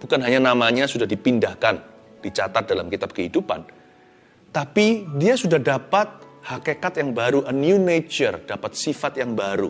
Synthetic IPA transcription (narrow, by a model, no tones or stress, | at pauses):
b̥ukanɦaɲanamaɲasudahdipindahkan | d̥it͡ʃat̪at̪̚dalamkit̪ab̚kəɦidupa̰n | t̪apidiasudahdapat̪̚hakekat̪jaŋbaɾuʔənjunet͡ʃərd̥apat̪̚sifat̪jaŋbaɾṵ